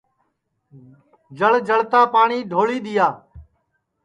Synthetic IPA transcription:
d͡ʒəɭd͡ʒəɭt̪aːpaːɳiːɖʱoːɭiːɗ̪ɪjaː

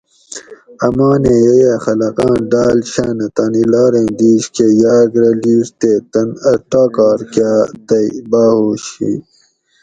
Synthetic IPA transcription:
ɐmaːneːjɐjaxɐlɐqãːɖaːlɕaːnɐt̪aːnilaːɾẽːd̪iːɕkejaːɡɾɐliːst̪eːt̪ɐnɐʈaːkɑːɾkaːt̪ɐjbaːhoːɕḭ

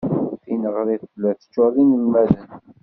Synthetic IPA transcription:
θinəʁɾiθlːæθə̥t͡ʃːʊðˤinəlmæðən

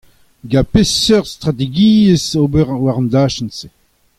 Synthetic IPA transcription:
ɡapesœʁst̪ʁat̪̬eɡiːəsoːbɛʁwaʁɑ̃nd̪aːʃənse

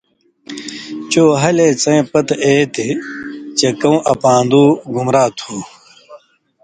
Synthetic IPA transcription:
t͡ɕoːɦɐleːt͡sɐ̃ẽpɐt̪eːt̪it͡ɕekɐũʔɐpãːnd̪uːɡumɾaːt̪ʰuː

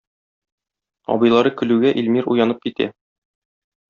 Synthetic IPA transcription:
ɒ̰bɤ̆jlˠɑɾɤkɵ̆lʉɡæʔilmiɾujɑnɤp̚kit̪æ̰

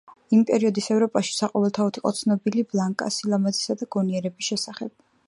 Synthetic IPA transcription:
impʼɛɾiɔd̪isɛvɾɔpʼaʃi̥saqʼɔvɛlˠt̪ʰaɔt̪ʰiqʼɔ̰t̪sʰnɔbiliblˠaŋkʼa̰silˠamad̪zisad̪aɡ̥ɔniɛɾɛbisʃɛsaχɛb̥

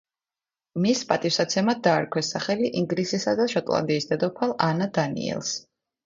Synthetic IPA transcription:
mispʼat̪ʼifsat̪sʰɛmad̪̚d̪aːɾkʰwɛsaχɛliʔiŋɡlisisad̪aʃɔt̪ʼlˠa̰nd̪iːsd̪ɛd̪ɔpʰalˠanad̪anḭɛ̰lˠs

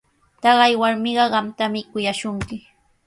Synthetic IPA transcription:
t̪ɑɢɑjwaɾmɪɢɑɢɑmt̪amɪkʊjaʃʊŋkɪ

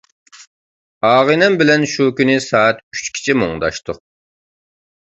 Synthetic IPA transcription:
ɑːʁɨnɛmbɪlɛnʃukʲynɪsɑːɛt̪y̥t͡ʃkʲʰi̥t͡ʃʰimoŋd̪ɑ̰ʃt̪ʊ

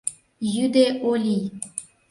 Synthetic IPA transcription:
jyd̪eʔolʲij

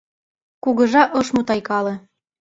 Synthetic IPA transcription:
kuɣɤ̆ʒɑʔɤʃmut̪ɑjkɑlɤ̆

